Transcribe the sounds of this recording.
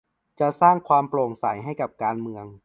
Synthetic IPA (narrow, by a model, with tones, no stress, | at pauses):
t͡ɕa˨˩saː˥˩ŋkʰwaː˧mploː˨˩ŋsa˩˦jɦa˥˩jka˨˩p̚kaː˧nmɯ˧əŋ